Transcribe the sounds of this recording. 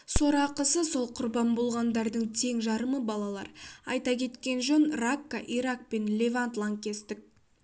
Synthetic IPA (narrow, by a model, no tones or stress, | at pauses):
so̞ɾɑqəsəso̞lˠqʰʊɾbɑnbo̞lˠʁɑnd̪ɑɾd̪əɴt̪ʰe̞ŋʒɑɾəməbɑlˠɑlˠɑ̰ɾɑjt̪ɑkʲʰe̞t̪kʲe̞nʒonrakːaʔiɾak̚pe̞nlʲe̞vant̪lˠɑŋkʲʰe̞st̪ɪk̚